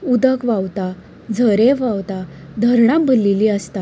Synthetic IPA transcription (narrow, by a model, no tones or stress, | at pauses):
ud̪əkʋawt̪a | d͡zʱəɾeʋawt̪a | d̪ʱəɾɳabʱəlːiliəst̪a